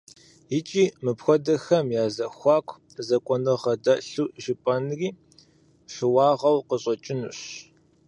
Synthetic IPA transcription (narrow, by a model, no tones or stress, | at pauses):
jɪt͡ʃʼiːmɨpxʷɔdɐxɐmjaːzɐxʷɑːkʷʰ | zɐkʷʼɔnɨʁɐdɐɬuːʔʒɪpʼɐnriː | ɕɨwɑːʁɐwqəɕʼɐt͡ʃʼɪnuɕ